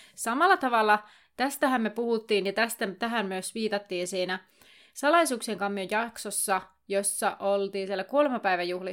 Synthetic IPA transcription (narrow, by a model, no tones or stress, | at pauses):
sɑmɑlːɑt̪ɑʋɑlːɑ | t̪æst̪æɦæmːmepuhut̪ːiːnjɑt̪æst̪æt̪æɦæmmyøsʋiːt̪ɑt̪ːiːnsiːnæ | sɑlɑisuːkseŋkɑmːyøjɑksosːɑ | josːɑʔolt̪iːsielːækolemɑpæjʋæjuhli